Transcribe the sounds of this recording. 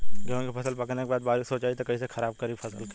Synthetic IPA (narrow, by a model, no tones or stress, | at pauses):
kːkifʰɐsəlpɐknekebaːd̪baːɾisoːt͡ʃaːit̪okɐĩsexɐɾaːb̚kɐɾiːfʰɐsə̰lk